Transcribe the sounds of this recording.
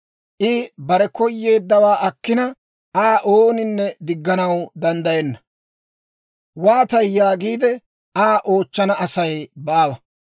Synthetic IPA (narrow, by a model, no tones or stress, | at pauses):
ʔɪbɐɾɛkɔjːe̞ːd̪ːɐwaːʔɐkːɪnɐ | ʔaːʔoːnɪnːɛd̪ɪɡːɐnɐwd̪ɐnd̪ɐjɛnːɐ | waːt̪ɐjːaːɡiːd̪ɛ | aːʔo̞ːt͡ʃːɐnɐɐsɐjbaːwɐ